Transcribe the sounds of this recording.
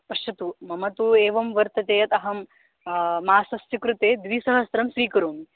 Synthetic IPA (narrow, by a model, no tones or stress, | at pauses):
pɐʃɐt̪umɐmɐt̪ueːʋɐmʋɐɾt̪ɐt̪eːɐt̪ɐɦɐmː | aːsɐst̪jɐkɾut̪eːd̪ʋiːsɐɦɐsɾɐmsʋiːkɐɾuːmi